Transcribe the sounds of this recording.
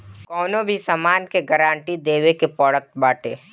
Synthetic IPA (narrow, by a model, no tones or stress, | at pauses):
kɔːnõbʱisamaːnkeɡəɾãːɳʈid̪eːʋekepɔːɽət̪̚baːʈḛː